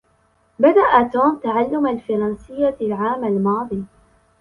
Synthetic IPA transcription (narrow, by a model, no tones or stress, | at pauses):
bad̪aʔat̪oːmt̪aʕalːʊmalfɑɾˤɑnsɪjːalʕaːmalmɑːd̪ˤiː